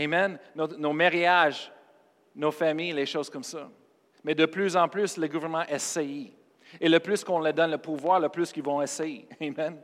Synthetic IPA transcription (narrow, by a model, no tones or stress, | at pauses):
emɛnːot̪nomaʁiaʒ | nofamijleʃoːz̥kɔmsa | mɛd̪əplyzɑ̃plysləɡuvɛʁnəmɑ̃ʔɛsɛji | eləplyskɔ̃ləd̪ɔnləpuvwaːʁləplyskilvɔ̃ɛsɛjeemɛn